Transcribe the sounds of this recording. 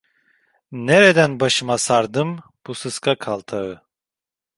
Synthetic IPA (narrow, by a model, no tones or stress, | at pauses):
neɾed̪ænbaʃɯmasaɾd̪ɯmb̥usɯskʰakʰalˠt̪ʰaɯ